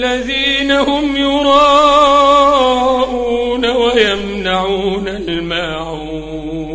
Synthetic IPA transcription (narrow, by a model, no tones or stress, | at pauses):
aðiːnahʊmjʊɾˤɑː | ʔuːnawajamnaʕuːnalmaːʕ